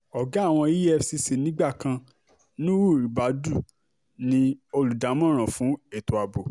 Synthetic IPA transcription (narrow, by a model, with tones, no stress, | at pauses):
ɔ˨ɡa˨˦˨w̃ɔ̃˧i˦ɛ˦˧si˧se˨nĩ˨˦ɡ͡ba˦˨kã˧ | nĩ˦wu˦˨ɾi˨ba˨˦du˦˨ | nĩ˧o˧lu˨da˨˦mɔ̃˦˨ɾ̃ã˨fũ˨˦e˦˨to˨a˨bo˨